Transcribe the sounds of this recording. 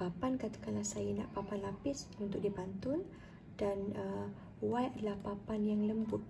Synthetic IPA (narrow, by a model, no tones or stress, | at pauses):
apankat̪ḁkanlahsajəna̰ʔpapanlapɪsunt̪ʊk̚dibant̪ʊn | d̥anə | wajʔadalahpapanjaŋləmbʊt̪̚